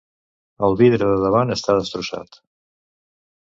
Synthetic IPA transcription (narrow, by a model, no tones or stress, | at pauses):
əlˠβiðɾəðəðəβanəst̪aðəst̪ɾusa̰t̪